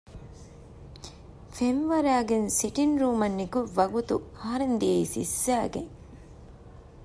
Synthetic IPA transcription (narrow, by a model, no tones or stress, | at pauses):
femʋɐɾaːɡensiʈinɾuːmɐnːikuʋɐɡut̪uɐɦɐɾend̪ijɐisḭsːæːɡeŋ